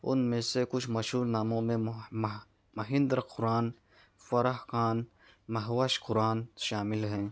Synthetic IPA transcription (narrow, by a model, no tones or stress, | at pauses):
ʊ̰nmẽsekʊt͡ʃʰmɐʃuːlnaːmõmẽ | mɐɦɪ̃nd̪ɾqʰʊɾaːn | fɐɾaɦkaːn | mɐɦwaʃqʊɾaːnʃaːmɪlɦɛ̃ː